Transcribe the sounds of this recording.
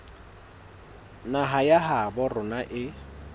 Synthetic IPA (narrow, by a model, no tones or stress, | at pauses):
naɦajaɦabʊrʊnaʔɪ